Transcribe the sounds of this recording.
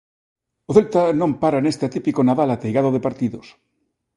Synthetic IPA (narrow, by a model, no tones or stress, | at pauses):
oθelt̪anõmpaɾanest̪eat̪ipikonaðalat̪ejɣaðoð̞epaɾt̪iðos